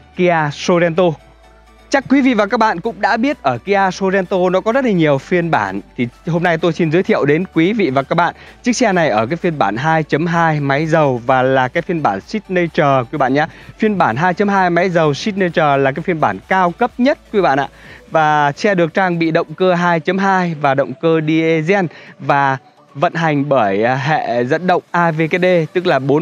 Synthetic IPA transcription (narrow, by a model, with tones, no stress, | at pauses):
ki˧aː˧so˧zɛ˧nt̪o˧ | t͡ɕa˦˥kːwi˨˦vḭ˧˨vaː˨˩kaː˦˥k̚ɓa̰ː˧˨nkʊ̰˧˥ŋ͡mɗa̰ː˧˥ɓi˦˥ət̚ʔəː˧˩ki˧ʔaː˧so˧zɛ˧nt̪o˧nɔ˨˦kɔ˨˦zə˦˥t̚la˨˩ɲi˨˩əwfi˧ənɓaː˧˩nt̪ʰi˨˩ɦo˧mna˧jt̪o˧jsi˧nzɨ˨˦jt̪ʰḭ˧˨əwɗe˨˦nkwi˨˦vḭ˧˨vaː˨˩kaː˦˥k̚ɓa̰ː˧˨nt͡ɕɨ˦˥k̚sɛ˧na˨˩jʔəː˧˩kaː˨˦jfi˧ənɓaː˧˩nɦaː˧jt͡ɕə˨˦mɦaː˧jma˨˦jzə˨˩wvaː˨˩laː˨˩kaː˨˦jfi˧ənɓaː˧˩nsi˦˥t̚nə˧t͡ɕəː˨˩kwi˧ɓa̰ː˧˨nɲaː˧fi˧ənɓaː˧˩nɦaː˧jt͡ɕə˨˦mɦaː˧jma˨˦jzə˨˩wsi˦˥t̚nə˧t͡ɕəː˨˩laː˨˩kaː˨˦jfi˧ənɓaː˧˩nkaː˧wkə˦˥p̚ɲə˦˥t̚kwi˧˦ɓa̰ː˧˨nʔa̰ː˧˨vaː˨˩sɛ˧ɗɨ˨˩ək̚t͡ɕaː˧ŋɓḭ˧˨ɗə̰˧˨wŋ͡mkəː˧ɦaː˧jt͡ɕə˨˦mɦaː˧jvaː˨˩ɗə̰˧˨wŋ͡mkəː˧ɗi˧ʔe˧zɛ˧nvaː˨˩ | və̰˧˨nɦa˨˩jŋ̟ɓəː˧˩jɦɛ̰˧˨zə̰˧˥nɗə̰˧˨wŋ͡mʔaː˧ve˧ke˨˧ɗe˧t̪ɨ˦˥k̚laː˨˩ɓo˨˦